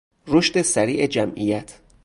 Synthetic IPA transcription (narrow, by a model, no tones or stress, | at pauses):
roʃt̪e̞sæɾiːʔed͡ʒæmʔijæt̪ʰ